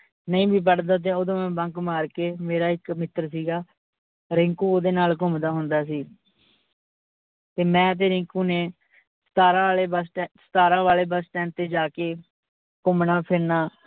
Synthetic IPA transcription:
nəĩːbʱiːp̬əɽd̪aːt̪̬eːoːd̪õːmɛ̃ːbə̃ŋkmaːɾkeːmeːɾaːɪkmɪt̪ːɾsiːɡaː | ɾɪ̃ŋkuːoːd̪eːnaːlkʊmd̪aːɦʊ̃nd̪aːs̬iː | t̪eːmɛ̃ːt̪̬eːɾɪ̃ŋkuːneː | st̪aːɾãːleːbəsʈɛsə̥t̪aːɾãːʋaːleːbəsʈɛ̃ːnt̪eːd͡ʒaːkeː | kʊmnaːpʰɪɾnaː

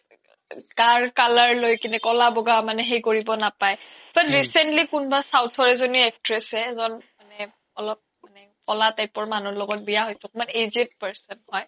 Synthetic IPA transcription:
kaɹkalaɹlojkinɛkɔlabɔɡamanɛɦejkoɹibɔnapaj | b̥atɹisɛntlikunbasawtʰɔɹɛzoniɛk̚tɹɛsɛzɔnmanɛ | ɔlɔp̚manɛ | kɔlatajpɔɹmanɔɹlɔɡɔt̚bijaɦojsɛkumanezet̚pɛɹsɔnɦɔj

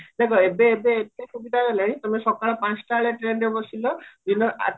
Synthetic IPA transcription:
d̪ekʰɔebeːbeːtesubid̪ʱaɡɔlaɽ̃ĩt̪ɔmesɔkaɭɔpãt͡ʃʈaɭeʈɾenɾebɔsilɔd̪inɔʔa̰

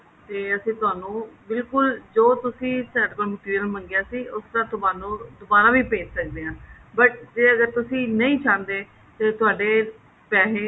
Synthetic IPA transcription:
t̪eːəsĩːt̪ʊaːnũːbɪlkʊld͡ʒoːt̪ʊsĩːsɛːɖkoːlmɪʈ̪ɪːiəlməŋɡɪjaːsiːʔʊsd̪ãːt̪ʊbaːnõːd̪ʊbaːnãːʋiːpeːt͡ʃsək̚d̪eːãːbəʈ̚d͡ʒeːəɡəɾt̪ʊsĩːnəĩːt͡ʃʰãːnd̪eː | t̪eːt̪ʊaːɖeː | pɛːɦẽː

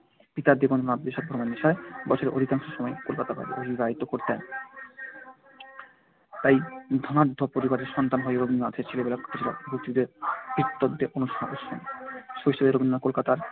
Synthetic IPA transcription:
b̥it̪aɾd̪iɡonnat̪beʃɔb̚b̪ʱɔɾmenːiʃaebɔt͡ɕʰoɾeʔo̰d̪ʱikaŋʃoʃɔmɔekolkat̪abʱa̰bḛo̰bibaɦit̪okoɾt̪ɛn | t̪ajd̪ʱɔnaɾd̪ʱːopoɾibaɾeɾʃɔnt̪anɦɔeɾobʱinːoad̪ʰʱeɾt͡ɕʰelebelakot̪ʰːed͡ʑʰila̰bʱok̚t̪id̪eɾb̥ʱit̪ːod̪ːeʔonuʃoʃɔ̰nʃoiʃoleɾobinːakolkat̪aɾ

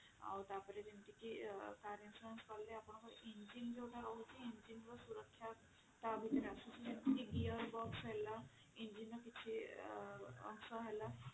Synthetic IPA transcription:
a̰wt̪apɔɾed͡ʒint̪ikikaɾinsɾuenskɔɾleapɳ̃ɔkɔɾind͡ʒind͡ʒewʈaɾɔɦut͡ʃʰiind͡ʒinɾɔsuɾəkʰːja | t̪abʱit̪eɾeasusʰid͡ʒint̪ikiɡijəɾbɔksɦela | ind͡ʒinɾɔkit͡ʃʰi | ɔ̰ŋsɔɦela

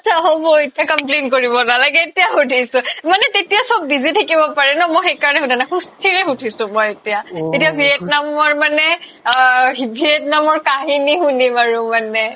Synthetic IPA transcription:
at͡ʃʰaɦobɔetijakamplenkoɹibɔnalaɡɛetijaxutʰisʊ̃manɛtetijasɔb̚ːizitʰakibɔpaɹɛnɔmɔjxekaɹɔnɛɦudanaxustʰiɹɛxutʰisʊ̃mɔjetijaetijabʱiet̚namɔɹmanɛ | ibʱietnamɔɹkaɦinixunimaɹʊmanɛ

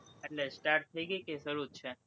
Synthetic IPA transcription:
eʈlesʈaɾʈt̪ʰːəiɡəjkeʃəɾutt͡ʃʰe

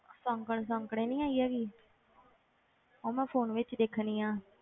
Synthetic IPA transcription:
sɔ̃ŋkəɳs̬ɔ̃ːŋkəɽẽːnĩːaːiːaːɡiː | oːmɛ̃ːpʰoːnʋɪt͡ʃd̪eːkʰniːãː

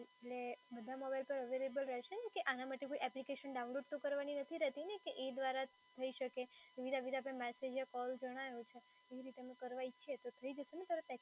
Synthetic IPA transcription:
eʈlebəd̪ʱamɔbajlpəɾəʋeɾebəlɾɛɦʃenekeʔanamaʈekoiʔɛplikeʃənɖaunloɖ̚t̪õkəɾʋaninət̪ʰiɾət̪inekeʔed̪ʋaɾa | t̪ʰəiʃəkeiʋid̪aʋid̪ap̬ɽ̃emɛsed͡ʒjakɔld͡ʒəɽ̃aʋũt͡ʃʰe | eʋiɾit̪emə̃kəɾʋajt͡ʃʰet̪ot̪ʰəid͡ʒəʃenet̪aɾet̪ɛ

